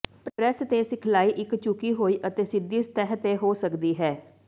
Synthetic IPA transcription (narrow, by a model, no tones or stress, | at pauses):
pɾɛːst̪eːsɪkʰlaːiːʔɪkt͡ʃukiːɦoːiːʔət̪eːsɪd̪iːst̪ɛɦət̪eːɦoːsəkd̪iːɦɛː